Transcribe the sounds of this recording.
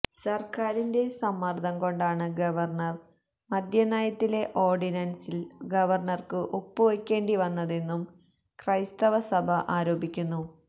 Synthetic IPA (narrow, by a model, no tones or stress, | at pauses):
sɐrkaːɾinde̞sɐmːɐrd̪ʱɐŋko̞ɳɖaːɳɨɡɐʋɐrɳɐr | mɐd̪ʱjɐnaːjɐt̪ːile̞ʔo̞ːrɖinɐnsilɡɐʋɐrɳɐrkɨʔopːuʋekʲːe̞ːɳɖiʋɐnːɐðe̞nːum | krɐjst̪ɐʋɐsɐbʱɐʔaːɾo̞ːbʱikʲːunːu